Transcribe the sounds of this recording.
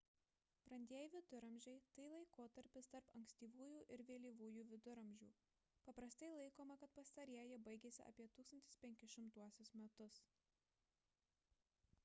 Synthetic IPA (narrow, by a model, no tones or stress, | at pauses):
pɾɐnʲd̪ʲiɛjɪʋʲɪd̪ʊɾɐmʲʒʲɛɪt̪ɐɪlˠɐɪkoːt̪ɐɾʲpʲɪst̪ɐɾpɐŋksʲt̪ʲiːʋuːjuːʔɪɾʋʲeːlʲiːʋuːjuːʋʲɪd̪ʊɾɐmʲʒʲṵː | pɐpɾɐst̪ɐɪlˠɐɪkoːmɐkɐt̪pɐst̪ɐɾʲiɛjɛbɐɪɡʲeːsʲɪ̰ʔɐ̰pʲiɛt̪uːkst̪ɐnʲt̪ʲɪ̥spʲɛŋʲkʲɪʃʲɪmt̪uɔsʲʊsmʲɛt̪ʊs